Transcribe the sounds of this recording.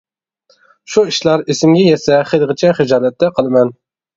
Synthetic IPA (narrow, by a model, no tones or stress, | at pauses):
ʃuiʃlˠɑɾesɪmɡʲɛjɛsɛχelˠʁɪt͡ʃʰɛχɪd͡ʒɑːlɛt̪ːɛqʰəlˠɨmɛn